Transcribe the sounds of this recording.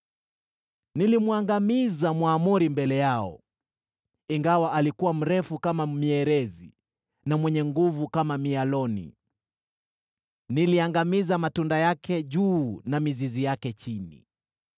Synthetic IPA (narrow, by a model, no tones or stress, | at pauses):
nilimwaŋɡamizamwaːmuɾimbɛlɛjaɔ̰ | iŋɡawaʔalikuwam̩ɾɛfukamamiɛɾɛzi | namwɛɲɛŋɡuvukamamialɔnḭ | niliaŋɡamizamatundajakɛʄuːnamizizijakɛt͡ʃinḭ